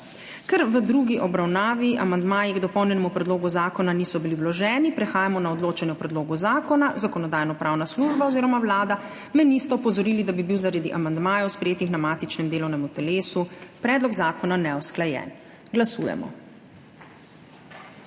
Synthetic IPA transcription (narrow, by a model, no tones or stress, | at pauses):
kɛɾʋəd̪ɾuɡiʔɔbɾawnaːʋiʔamand̪maːjiɡd̪ɔpɔwnjɛnɛmupɾɛd̪loːɡuzaːkɔnanisɔbiliwlɔʒɛːnipɾɛxaːjamɔnaɔd̪loːt͡ʃanjɛwpɾɛd̪loːɡuzaːkɔnazakɔnɔd̪aːjnɔpɾʔawnasluːʒbaɔziːɾɔmawlaːd̪a | mɛnist̪ɛɔpɔzɔɾiːlid̪abibiwzaɾad̪iʔamand̪maːjɔwspɾɛjeːt̪ixnamaːt̪it͡ʃnɛmd̪eːlɔwnɛmut̪ɛleːsupɾɛːd̪lɔɡzaːkɔnanɛɔsklajɛ̰ːn | ɡlasṵjɛ̰mɔ̰